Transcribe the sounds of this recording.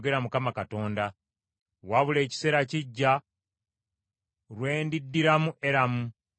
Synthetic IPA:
ɡe̞ɾamukamakato̞ːnda | waβule̞ːci̥se̞ːɾaciɟːa | ɾwe̞ːndidːiɾamuʔe̞ɾamu

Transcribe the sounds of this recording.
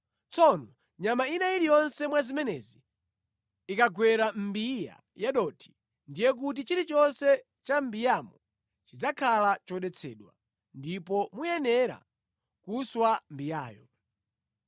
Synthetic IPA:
t͡sɔnɔ | ɲamainaiɾijɔnsɛmwazimɛnɛ̰ziː | kaɡwɛɾam̩bija̰ | jaɗɔtʰi̥ | ndijɛk̬ut̬it͡ʃiɾit͡ʃɔnsɛ | t͡ʃambijamɔ | t͡ʃid͡zakʰalat͡ʃɔɗɛt͡sʰɛ̰ːɗwa̰ | ndipɔmujɛnɛɾa̰ | kuswambijaːjɔ

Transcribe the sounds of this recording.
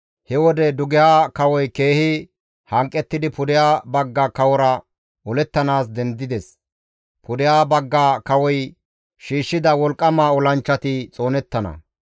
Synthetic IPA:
hɛwɔd̪ɛd̪ʊɡɛjaːkɐwɔjke̞ːhɪ | hɐŋkʼːɛt̪ːɪd̪ɪpʊd̪ɪjaːbɐɡːaːkɐwɔɾɐ | ɔlɛt̪ːɐnaːsd̪ɛnd̪ɪd̪ɛs | pʊd̪ɪjaːbɐɡːaːkɐwɔj | ʃiːʃːɪd̪ɐwɔlkʼːɐmaːɔlɐnt͡ʃːɐt̪ɪt͡sʼo̞ːnɛt̪ːɐnɐ̰

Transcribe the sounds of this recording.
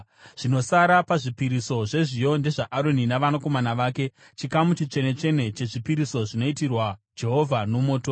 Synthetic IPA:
ʐ̥ino̞saɾapaʐipiɾiso̞ʐe̞ʐijo̞nde̞ʐaʔaɾoninaʋanako̞manaʋaːke̞ | t͡ʃikamut͡ʃit͡ʃe̞ne̞t͡ʃe̞ne̞t͡ʃe̞ʐipiɾiso̞ʐino̞itirwa | d͡ʒe̞ɦo̞vʱano̞moːto

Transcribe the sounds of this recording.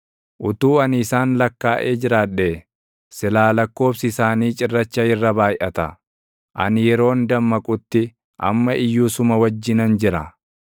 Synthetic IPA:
ʔʊt̪uːɐnɪsaːnlɐkːaːʔeːd͡ʒɪɾaːᶑe | sɪlaːlɐkːo̞ːfsɪɪsaːniːt͡ʃʼɪrːɐt͡ʃːɐɪrːɐbaːjʔɐt̪ɐ | ʔɐ̰njɛɾo̞ːnd̪ɐmːɐkʼʊt̪ːɪ | ʔɐ̰mːɐʔɪjːuːsʊmɐwɐd͡ʒːɪnɐnd͡ʒɪɾɐ

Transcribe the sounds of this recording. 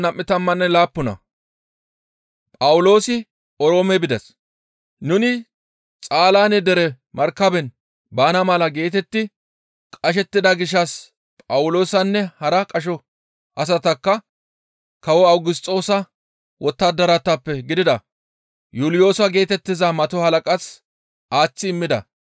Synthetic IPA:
nɐmʔːɪt̪ɐmːɐnːɛlaːpːʊnɐ̰ | pʼɐwʊlo̞ːsɪ | ɔɾo̞ːmɛbɪd̪ɛs | nʊnɪ | t͡sʼaːlaːnɛd̪ɛɾɛ | mɐɾkːɐbɛn | baːnɐmɐlɐɡe̞ːt̪ɛt̪ːɪ | kʼɐʃ̬ɛt̪ːɪd̪ɐɡɪʃːɐs | pʼɐwʊlo̞ːsɐnːɛhɐɾɐkʼɐʃ̬ɔ | ʔɐs̬ɐt̪ɐkːɐ | kɐwɔɐwɡɪs̬t̪ʼːo̞ːsɐ | wɔt̪ːɐd̪ɐɾɐt̪ːɐpːɛɡɪd̪ɪd̪ɐ | juːlɪjo̞ːswɐɡe̞ːt̪ɛt̪ːɪzɐmɐt̪ɔhɐlɐkʼɐs | aːt͡sːɪɪmːɪd̪ɐ̰

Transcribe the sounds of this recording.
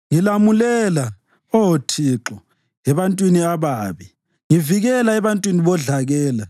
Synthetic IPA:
ŋilamulɛla | ɔwotʰiǁɔ | ɛβantʼwiniaβaːβi | ŋiviɣɛlaɛβantʼwiniβɔɮaɣɛːla

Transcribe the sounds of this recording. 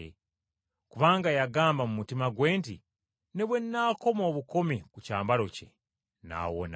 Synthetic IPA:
ḛ | kuβaːŋɡajaɡaːmbamumutimaɡwe̞ːntḭ | neβwe̞nːaːko̞mo̞ːβuko̞mekucaːmbaɾo̞cḛ | na̰ːwo̰na

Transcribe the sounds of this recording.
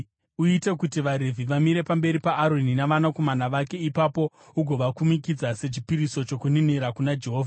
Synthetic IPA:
uite̞kutiʋaɾevʱiʋamiɾe̞pambe̞ɾipaʔːɾo̞ninaʋanako̞manaʋake̞ipapo̞ | uɡʱo̞ʋakumikid͡zase̞t͡ʃipiɾiso̞t͡ʃo̞kuniniɾakunad͡ʒe̞ɦoːvʱa

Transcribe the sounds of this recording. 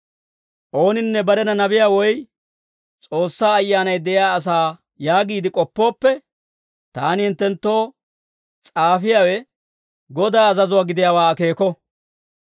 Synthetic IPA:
ʔo̞ːnɪnːɛbɐɾɛnɐnɐbɪjaːwɔj | t͡sʼo̞ːsːaːɐjːaːnɐjd̪ɛʔɪjaːɐs̬aː | jaːɡiːd̪ɪkʼɔpːo̞ːpːɛ | t̪aːnɪhɪnt̪ːɛnt̪ːo̞ː | t͡sʼaːfɪjaːwɛ | ɡɔd̪aːɐzɐzʊwaːɡɪd̪ɪjaːwaːke̞ːkɔ

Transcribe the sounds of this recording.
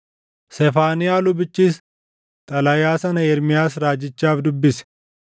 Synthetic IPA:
sɛfaːnɪjaːlʊbɪt͡ʃːiːs | t̪ʼɐlɐjaːsɐnɐɛɾmɪjaːsɾaːd͡ʒɪt͡ʃːaːfd̪ʊbːɪsɛ̥

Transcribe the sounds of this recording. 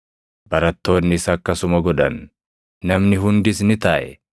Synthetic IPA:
b̥ɐɾɐt̪ːo̞ːnːɪsɐkːɐsʊmɐɡɔᶑɐnː | ɐmnɪɦʊnd̪ɪsnɪt̪ɐːʔɛ

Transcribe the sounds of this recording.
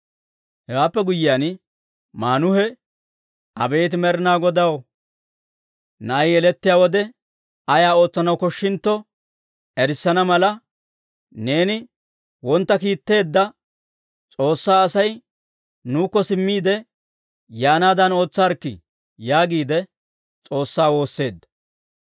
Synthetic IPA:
hɛwaːpːɛɡʊjɪjaːn | maːnʊhɛ | ʔɐ̰be̞ːt̪̬ɪmɛɾɪnaːɡɔd̪ɐw | nɐjjɛlɛt̪ːɪjaːwɔd̪ɛ | ɐjaːo̞ːt͡sːɐnɐwkɔʃːɪnt̪ːɔ | ɛɾɪsːɐnɐmɐlɐ | ne̞ːnɪ | wɔnt̪ːɐkiːt̪ːe̞ːd̪ːɐ | t͡sʼo̞ːsːaːɐsɐj | nuːkːɔsɪmːiːd̪ɛ | jaːnaːd̪ɐno̞ːt͡sːaːɾkːɪ̰ | jaːɡiːd̪ɛ | t͡sʼo̞ːsːaːwo̞ːsːe̞ːd̪ːɐ̥

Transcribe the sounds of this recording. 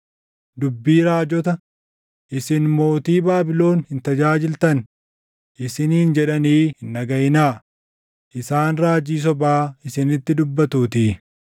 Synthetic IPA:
d̪ʊbːiːɾaːd͡ʒɔt̪ɐ | ʔɪsɪnmo̞ːt̪iːbaːbɪlo̞ːnhɪnt̪ɐd͡ʒaːd͡ʒɪlt̪ɐn | ʔɪsɪniːnd͡ʒɛᶑɐniːhɪnːɐɡɐjnaː | ʔɪsaːnɾaːd͡ʒiːs̬ɔbaːɪsɪnɪt̪ːɪd̪ʊbːɐt̪uːt̪i

